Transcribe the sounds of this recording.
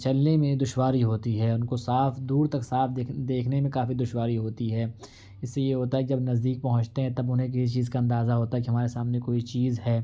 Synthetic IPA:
t͡ʃɐlnemẽd̪ʊʃwaːɾiɦoːt̪iɦɛːʊnkosaːfd̪uːɾt̪ɐksaːfd̪d̪eːkʰnemẽkaːfid̪ʊʃwaːɾiɦoːt̪iɦɛː | ɪsːejeɦoːt̪aɦɛkid͡ʒɐbnɐzd̪iːk̚pɐɦʊ̃ɲt͡ʃt̪eɦɛ̃t̪ɐbʊnɦẽk̬ɪsit͡ʃiːzkaɐ̃nd̪aːzaɦoːt̪aɦɛkiɦɐmaːɾesaːmnekoːit͡ʃiːzɦɛː

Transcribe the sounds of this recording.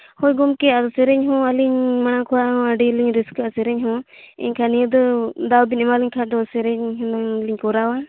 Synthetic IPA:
hɔjɡɔmkɛad̪ɔsɛɾɛɲɦɔ̃aliɲmanakʰɔaɦɔ̃əɖiliɲɾiskasɛɾɛɲɦɔ̃ɛ̰ɲkʰanijəd̪ɔd̪awbinɛmaliɲkʰadɔsɛɾɛɲɦɔliɲkɔɾawa

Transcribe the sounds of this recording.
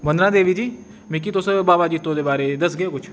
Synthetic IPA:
mənd̪ɾãːd̪eːʋiːd͡ʒiː | mĩk̬iːt̪ʊsbaːbaːd͡ʒit̪ːõːd̪eːbaːɾeːd̪əsɡeokʊt͡ʃʰ

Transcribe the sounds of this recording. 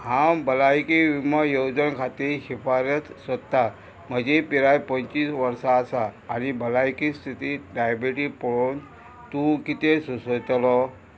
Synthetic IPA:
hãbəlajkiʋiməjowd͡zənkʰat̪iːɾɕifaɾət̪sʋət̪ːa | m̤əd͡ʑepiɾajpə̃nt͡ɕiːsʋəɾsaːsaːñibəlajkist̪ʰit̪iɖajbiʈipɔɭon | t̪ũkit̪esusət̪lɔ

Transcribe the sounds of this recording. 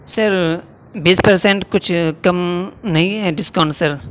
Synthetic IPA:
səɾ | biːspɐɾsẽɳʈkʊt͡ʃʰkɐmnɐɦĩɦɛɖɪskaːɳʈsɐɾ

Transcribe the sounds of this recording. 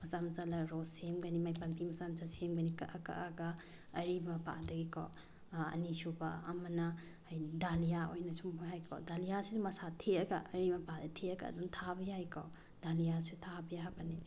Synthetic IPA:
mɐsamt͡ʃalɐɾossemɡɐnimajpɐmpimɐsamt͡ʃasemɡɐnikɐ̰ʔaka̰ʔɐɡɐ | ɐɾibmɐpa̰dɐɡikɔ̰ | ɐ̰nisubɐɐmɐnɐ | hajdalijaojnɐsumbaɦajkʰɔ̰dalijasisumɐsatʰeɐɡɐɐɾimɐpadɐtʰeɐɡa̰ːdumtʰabɐjajkʰɔ | d̥alijasisutʰabɐjaabɐni

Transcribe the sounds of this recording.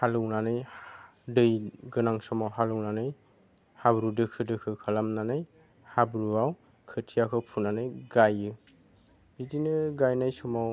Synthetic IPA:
halɯwnanɯj | dɯjɡɯnaŋsɔmawɦalɯwnanɯj | habɾudɯkʰɯdɯkʰɯkʰalamnanɯj | habɾuaw | kʰɯtʰijakʰɯpʰunanɯjɡajɯ | bidinɯɡajnajsɔmaw

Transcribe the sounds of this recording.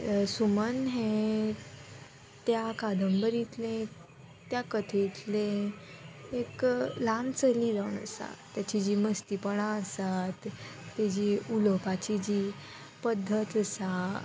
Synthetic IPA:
sumənɦe | t̪jakad̪ʱəmbəɾit̪lẽ | t̪jakət̪ʰit̪le | eklant͡səlid͡zaʋnə̰sa̰t̪ːjat͡ɕid͡ʑiːməst̪ipəɽaəsat̪ːed͡ʑiuləpat͡ɕid͡ʑi | pəd̪ʱːət̪əsa

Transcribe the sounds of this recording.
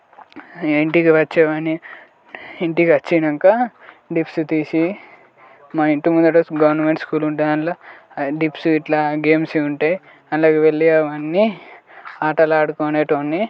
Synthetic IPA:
eɳʈikiʋɐt͡ʃːeʋɐniː | ɳʈikɐt͡ʃːinɐŋka | ɖipsut̪iːsi | maiɳʈumund̪ɐʈosɡɐʋɐɾnɐmeɳʈskuːluɳʈunɐnla | ɖipsuiʈlaːɡeːmsiuɳʈeːj | ɐlaːɡeʋeɭːijaʋɐnːi | aːʈɐlaːɽukoːneːʈoːnːi

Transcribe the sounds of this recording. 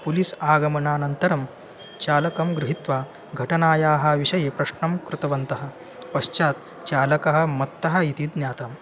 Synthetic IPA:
pulisaːɡɐmɐnaːnɐnt̪ɐɾɐm | t͡ʃaːlɐkɐmɡɾuɦit̪ʋaː | ɡʱɐʈɐnaːjaːɦɐ̆ʋiʂɐjepɾɐʃɳɐmkɾut̪ɐʋɐnt̪ɐɦɐ̆ | pɐʃt͡ʃaːt̪ | t͡ʃaːlɐkɐɦɐ̆mɐt̪ːɐɦɐ̆it̪id̪njaːt̪ɐm

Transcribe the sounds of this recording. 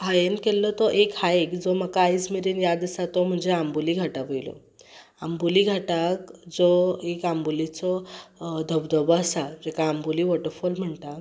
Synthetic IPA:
ɦajenkelːɔt̪ɔʔekhaekd͡zɔməkaːjd͡zmiɾinjad̪əsat̪ɔm̤əɳd͡zeambuliɡʱaʈaʋəjlɔ̰ | ambuliɡʱaʈakd͡zɔekambulit͡sɔd̪ʱəbd̪əbɔəsad͡ʑɛkaːmbuliʋɔʈəɾfulm̤əɳʈ̪a

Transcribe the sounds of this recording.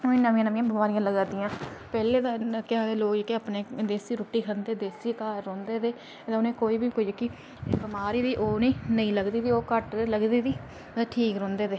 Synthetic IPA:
ʊnẽːnəʋɪ̃ãnəʋɪ̃ːãːbəmaːɾijãːləɡaːd̪iːãːpɛːleːd̪aːkɪãːd̪eːloːkekeaːpneːd̪eːsiːɾoːʈːiːkʰənd̪eːd̪eːsiːkaːɾɔ̃ːnd̪eːd̪eː | d̪ãʊnẽːkoːiːbiːkoiːd͡ʒəkːiː | bɪmaːɾiːd̪iːʔoːnĩːnəĩːləɡd̪iːd̪iːoːkəʈ̪eləɡd̪iːd̪iː | ʈʰiːkɾõːnd̪eːd̪eː

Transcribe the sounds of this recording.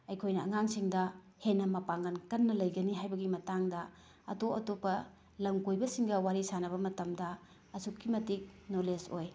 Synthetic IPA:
ɐjkʰojnɐɐŋaŋsiŋdɐ | henːɐmɐpaŋɡɐnkɐnːɐlɐjɡɐniɦajbɐɡimɐtaŋdɐ | ɐ̰toɐtopːɐ | lɐmkojbɐsiŋɡɐwaɾisanɐβɐmɐtɐmdɐ | ɐsukːimɐtik̚nolesoj

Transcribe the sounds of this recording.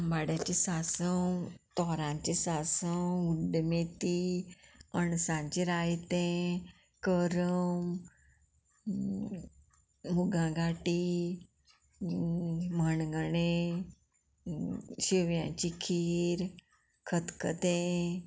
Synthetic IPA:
baɽjat͡ɕisasəwt̪ɔɾãɲt͡ɕisasəwuɖmet̪iː | əɳsãɲt͡ɕĩɾajt̪ẽ | kəɾəm | uɡãɡaʈiː | məɳɡəɳe | ɕiʋjãt͡ɕikʰiːɾ | kʰət̪kət̪ẽ

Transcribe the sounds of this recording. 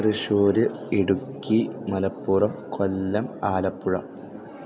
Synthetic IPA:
riʂoːɾɨeɽukːimɐlɐpːurɐmkʰolːɐmaːlɐpːuɻɐ̰m

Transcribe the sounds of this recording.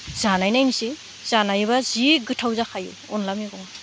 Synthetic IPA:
zanajnajnisi | z̥anajβaziɡɯtʰawzakʰajṵ | ɔnlamjiɡɔŋa

